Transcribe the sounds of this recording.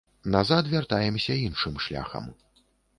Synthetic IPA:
nazat̪vʲart̪ajɛmsʲɐinʂɨmʂlʲa̰xɐ̰m

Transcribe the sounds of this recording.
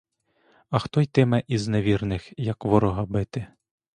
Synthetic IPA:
ɐxt̪ɔjt̪ɪmɛʔizneʋʲirnɪxjɐkʋɔɾɔɦɐbɪt̪ɪ

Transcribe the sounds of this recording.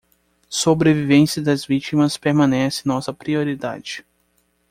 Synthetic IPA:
sobɾevivẽsiɐd̪ɐzvit͡ʃimɐspeɾmɐ̃nɛsɪnɔsɐpɾioɾid̪a̰d͡ʒɪ

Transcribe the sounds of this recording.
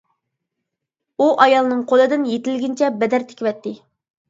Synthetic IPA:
uʔɑjɑlˠnɨŋqʰolˠɨd̪ɨnjet̪ɪlɡʲint͡ʃʰɛbɛd̪æɾt̪ʰe̥kʲivɛt̪ːɪ

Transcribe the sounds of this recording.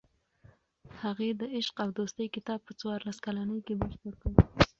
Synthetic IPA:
haɣed̪əɪʃqawd̪ost̪əjkɪt̪ɑb̚pət͡swɑɾlaskalanəjkebəʃt̪aɾkəw

